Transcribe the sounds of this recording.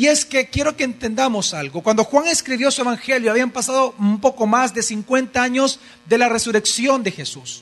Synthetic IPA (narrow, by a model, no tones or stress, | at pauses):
ie̞ske̞kje̞ɾo̞ke̞ːnt̪e̞nd̪amo̞salɡo̞kwand̪o̞xwaŋe̞skɾiβjo̞sue̞βaŋxe̞ljoaβiampasaðo̞umpo̞ko̞mazd̪esiŋkwe̞nt̪aaɲo̞z | d̪e̞lare̞suɾe̞ksjo̞nd̪e̞xe̞sus